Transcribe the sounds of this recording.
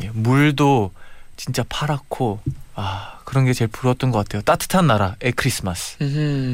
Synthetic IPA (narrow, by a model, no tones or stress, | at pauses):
jemuɭdot͡ɕint͡ɕ͈apʰaɾakʰoakɯɾʌnɡe̞t͡ɕe̞ɭpuɾʌt͈̚ʌnɡʌk͈atʰejot͈atʰɯ̥tʰanːaɾaekʰɯɾis͈ʰɯmasʰ